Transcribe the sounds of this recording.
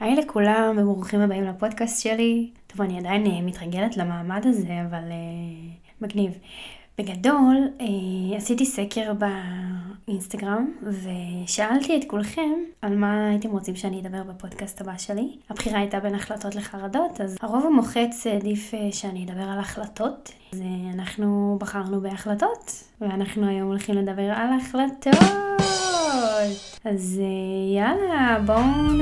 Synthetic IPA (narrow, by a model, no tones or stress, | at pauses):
aelekʰulammʁuχimhabaimlapo̞dkast̪ʃelitovaniadainemitʁaɡeletlamaːmadaze̞avale | maɡnivb̥e̞ɡado̞leasitisekʰe̞ʁba | inst̪aɡʁamve̞ʃaaltietkulχe̞malmaate̞mʁot͡simʃeanijed̪abe̞ʁbapo̞dkast̪habaʃe̞liapχiʁaajtabe̞naχlato̞tle̞χaʁado̞tazhaʁo̞vamo̞χet͡sdifeʃeanijed̪abe̞ʁalaχlato̞t | zeanaχnubaχaʁnube̞aχlato̞t | veanaχnuajo̞molχimle̞d̪abe̞ʁalaχlato | t | azejalabo